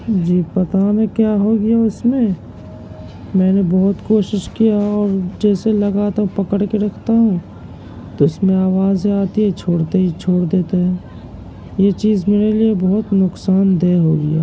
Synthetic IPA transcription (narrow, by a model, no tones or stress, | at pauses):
d͡ʒiːpɐt̪anẽkjaːɦoːɡɐjaʊsmẽ | mɛ̃ːnebɔɦʊt̪koːʃɪʃkijaɔːɾd͡ʒɛːselɐɡaːt̪aɦũpɐkəɽkeɾɐkʰt̪aɦũ | t̪oɪsmẽaːʋaːzɦiaːt̪iɦɛt͡ʃʰoːɽt̪eɦit͡ʃʰoːɽd̪eːt̪eɦɛ̃ː | jet͡ʃiːzmeːɾeliebɔɦʊt̪nʊksaːnd̪eːɦoːɡɐja̰ː